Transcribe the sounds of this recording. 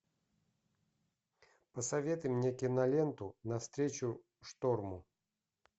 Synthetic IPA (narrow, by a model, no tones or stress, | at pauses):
pəsɐvʲet̪ɨjmnʲekʲɪnalʲent̪unɐfst̪ɾʲet͡ɕʊ | ʂt̪ɔrmʊ